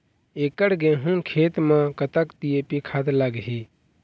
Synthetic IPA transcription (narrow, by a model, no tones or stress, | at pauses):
eːkəɽɡẽɦũːkʰeːt̪mãːkət̪akt̪ijepikʰaːt̪laɡɦiː